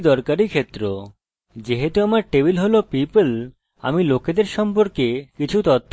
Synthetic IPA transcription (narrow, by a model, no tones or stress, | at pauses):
d̪ɔɾkaɾikʰet̪ːɾo | d͡ʑeɦet̪uamaɾʈebilɦolopipl | a̰miloked̪eɾʃɔmpoɾkekit͡ɕʰut̪ɔt̪ʰː